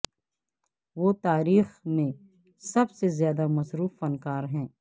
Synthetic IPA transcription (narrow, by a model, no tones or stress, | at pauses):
ʋoːt̪aːɾiːxmẽ | sɐbsezjaːd̪amɐsɾuːfːɐnkaːɾɦɛ̃ː